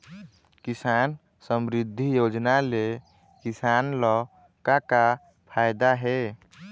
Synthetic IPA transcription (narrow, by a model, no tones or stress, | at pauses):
kisan | səmɾid̪ʱːijod͡ʒnale | kisanlɔ | kaka | pʰajd̪aɦe